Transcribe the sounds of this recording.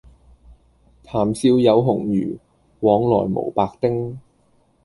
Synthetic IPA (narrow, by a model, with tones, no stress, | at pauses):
t̪ʰaː˨˩msiː˧wjɐ˨˧wɦʊ˨˩ŋjyː˨˩ | wɔː˨˥ŋlɔ̰ː˨˩jmo̰˨˩wpaː˧k̚t̪ɪ˥ŋ